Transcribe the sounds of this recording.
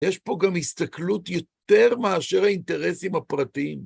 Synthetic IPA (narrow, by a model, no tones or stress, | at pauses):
jeʃpo̞ɡamhist̪aklutjo̞t̪e̞ʁmaaʃe̞ʁhaint̪e̞ʁesimhapʁatim